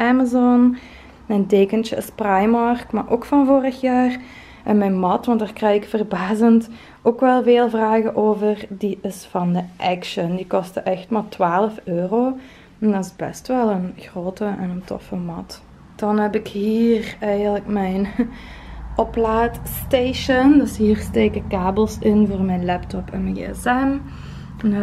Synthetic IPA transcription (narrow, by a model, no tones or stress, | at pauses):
ʔɛmazɔn | mɛjnteːkənt͡ʃəɪ̰sprajmɑrkmarʔoːkfɑnvoːrəxjaːr | ʔɛnmɛjnmɑtʋɑntdaːrkrɛjɪkfərbaːzənt | oːkʋɛlˠveːlˠvraːɣəʔoːvərdiʔɪsfɑndəʔɛkʃəndikɔstəʔɛxtmaːlˠtwaːləføːroː | ɛndɑtɪzbɛ̰stʋɛlˠənɣroːtəʔɛnəntɔ̰fəmɑt | d̥ɑnɦɛpɪkhiːrɛjɣənləkmɛjn | ʔɔplaːtsteːʃəndɵsɦiːrsteːkəkaːbəlˠsɪnvoːrmɛjnlɛptɔpɛnməɡḛɛsɛm | n